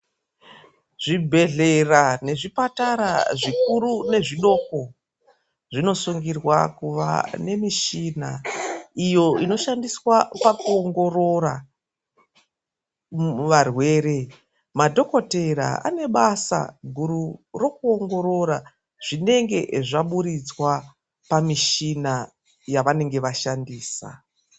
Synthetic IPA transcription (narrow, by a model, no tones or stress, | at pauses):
ʐ̥ibʱe̞ɮe̞rane̞ʐipataɾa̰ʐikuɾune̞ʐiɗo̞ko | ʐino̞suŋɡirwakuʋa̰ne̞miʃinaijo̞ino̞ʃandiswapakuoŋɡo̞ro̞ɾa | mʋarwe̞ːɾe̞ | madʱo̞ko̞teɾa̰a̰ne̞ɓasa̰ɡʱuɾuro̞kuo̞ŋɡo̞ɾo̞ɾa | ʐ̥ine̞ŋɡe̞ʐaɓuɾit͡swa | pamiʃina | jaʋane̞ŋɡe̞ʋaʃandiːsa̰